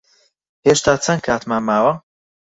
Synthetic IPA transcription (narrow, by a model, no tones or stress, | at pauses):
heːʃt̪aːt͡sʰɐŋkʰaːt̪maːmaːwɐ